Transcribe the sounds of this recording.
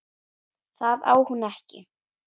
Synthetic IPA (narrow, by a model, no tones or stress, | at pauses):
θaða̰ːwhunɛhcɪ̰